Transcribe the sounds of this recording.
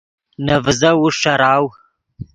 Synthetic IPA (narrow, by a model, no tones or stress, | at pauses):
nɐvzɐwuʂɐɾaːw